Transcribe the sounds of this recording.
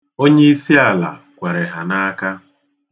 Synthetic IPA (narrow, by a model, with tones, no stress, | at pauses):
o˦ɲe˦i˦si˦a˨la̰˨ | kʷa˨ɾe˨ɦa˨na˦ka˦